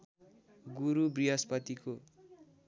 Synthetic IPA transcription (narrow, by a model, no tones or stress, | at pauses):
ɡuɾubrijʌspʌt̪iko